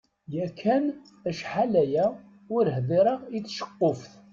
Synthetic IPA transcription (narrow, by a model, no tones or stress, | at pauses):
jækʰːæn | æʃħalæjæ | ʊɾhðɪɾˤəʁit͡sːʃə̥qːofθ